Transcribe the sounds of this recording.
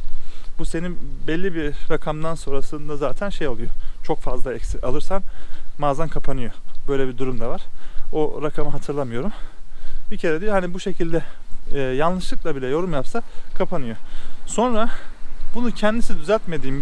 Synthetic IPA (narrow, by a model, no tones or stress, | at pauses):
buse̞ninbɛlʲːibiɾakʰamd̪anso̞ɾasɯnd̪azaːt̪ʰænʃe̞jo̞lˠujo̞t͡ʃʰo̞kfazlˠaɛcsia̰lˠɯɾsanmaːzankʰapʰanɯjo̞bø̞jlʲɛbid̪uɾumd̪avaɾ̥o̞ɾakʰamɯɦat̪ʰɯɾlˠamɯjo̞ɾum | bicʰe̞ɾɛd̪ijoɦanibuʃe̞cʰilʲd̪ɛː | janlˠɯʃlˠɯklˠabilʲɛjo̞ɾumjapsakʰapʰanɯjo̞so̞nɾabunucʰɛnd̪isnd̪yzælʲt̪me̞d̪iːm